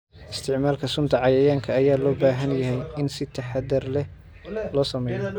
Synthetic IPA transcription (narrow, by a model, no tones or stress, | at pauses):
ʔɪst̪ʰɪʕmaːlkʰɐsʊnt̪ʰɐʕɑjɐjaːŋkʰɐːjaːlɔːbaːɦɐnjɐɦɛjɪnsɪt̪ʰɐħɑd̪ɐrlɛ | lɔːsɐmɛːjɔ